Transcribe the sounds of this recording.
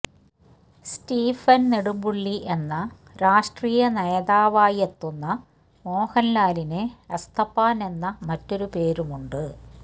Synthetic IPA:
stiːfɐnneɽumbuɭːiʔe̞nːɐ | ɾaːʂʈriːjɐnɐjɐðaːʋaːjet̪ːunːɐ | mo̞ːhɐnlaːlineɐst̪ʰɐpːaːne̞nːɐmɐtːo̞ɾupe̞ːɾumuɳɖɨ

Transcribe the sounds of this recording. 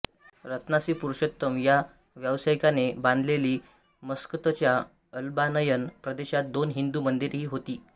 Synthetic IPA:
ɾət̪nasiːpuɾuɕət̪ːəmja | ʋjəʋsajkanebãnd̪ʱleliː | məskət̪ət͡ɕja | əlbanəjənpɾəd̪eɕat̪̚d̪onɦind̪uːmənd̪iɾɦiːɦot̪iː

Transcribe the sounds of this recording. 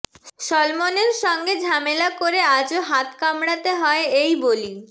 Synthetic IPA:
ʃɔlmoneɾʃɔŋɡed͡ʑʱamelakoɾead͡ʑoɦat̪kamɽat̪eɦɔeejboli

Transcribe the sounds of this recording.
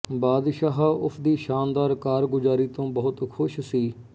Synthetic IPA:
baːd̪ʃaːɦʊsʰd̪iːʃaːnd̪aːɾkaːɾɡʊzaːɾiːt̪õːbəɦʊt̪kʰʊʃsiː

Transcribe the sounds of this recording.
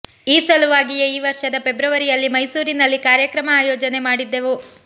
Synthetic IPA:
iːsɐluʋaːɡijeiːʋɐɾʂɐd̪ɐpe̞bɾɐʋɐɾijɐlːimɐjsuːɾinɐlːikaːɾjɐkɾɐmɐaːjɔːd͡ʒɐne̞maːɽid̪ːe̞ʋu

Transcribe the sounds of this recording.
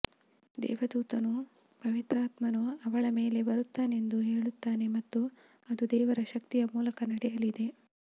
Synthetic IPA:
d̪ɛ̰ːʋɐd̪uːt̪ɐnu | pɐʋit̪ɾaːt̪mɐnuɐʋɐɭɐme̞ːle̞bɐɾut̪ːaːneend̪uɦe̞ːɭut̪ːaːne̞mɐt̪ːu | ɐd̪ud̪ɛːʋɐɾɐʃɐk̚t̪ijɐmuːlɐkɐnɐɽɛjɐlid̪e̞

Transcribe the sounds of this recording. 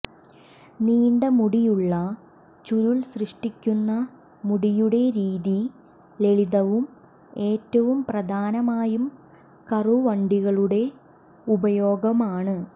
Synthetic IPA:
niːɳɖɐmuɽijuɭːɐ | t͡ɕuɾulsrɨʂʈikʲːunːɐ | muɽijuɽe̞ɾiːði | le̞ɭiðɐʋum | e̞ːtːɐʋumprɐd̪ʱaːnɐmaːjum | kɐruʋɐɳɖiɣɐɭuɽe̞ | ubɐjo̞ːɡɐmaːɳɨ

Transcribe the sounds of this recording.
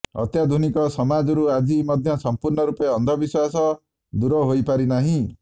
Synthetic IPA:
ɔ̰t̪jad̪ʱunikɔsɔmad͡ʒɔɾuad͡ʒimɔd̪ʱjɔsɔmpuɾɳɔɾupeɔnd̪ʱɔbiswasɔ | d̪uɾɔɦojpaɾinaɦĩ

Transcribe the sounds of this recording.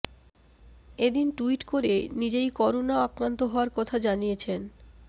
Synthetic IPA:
ed̪inʈuiʈkoɾenid͡ʑejkɔɾonaakɾant̪oɦɔoaɾkɔt̪ʰad͡ʑanijet͡ɕʰen

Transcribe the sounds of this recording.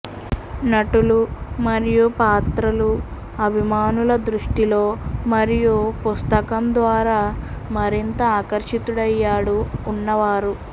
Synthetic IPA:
nɐʈulumɐɾijupaːt̪ɾɐlu | ɐbʱimaːnulɐd̪ɾuʂʈilo̞ːmɐɾijupust̪ɐkɐmd̪ʋaːɾaːmɐɾint̪ɐaːkɐɾʂit̪uɽɐjːaːɽuːnːɐʋaːɾu

